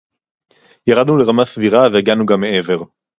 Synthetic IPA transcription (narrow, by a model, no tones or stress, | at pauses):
jaʁad̪nule̞ʁamasviʁaveeɡanuɡamːeʔe̞ve̞ʁ